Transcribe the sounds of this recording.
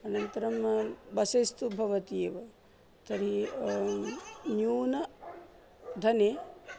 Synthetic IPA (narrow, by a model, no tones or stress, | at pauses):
ɐnɐnt̪ɐɾɐmbɐsest̪ubʱɐʋɐt̪ieːʋɐ | t̪ʰɐɾi | njuːnɐ | d̪ʱɐne